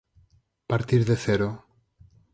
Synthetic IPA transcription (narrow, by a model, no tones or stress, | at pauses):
paɾt̪iɾðeθeɾo